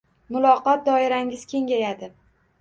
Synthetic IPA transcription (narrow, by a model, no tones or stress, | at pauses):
mʊlˠɒqɒt̪̚d̪ɒɪɾaŋʲɪz̥kʲʰe̞ŋɡʲajad̪ɪ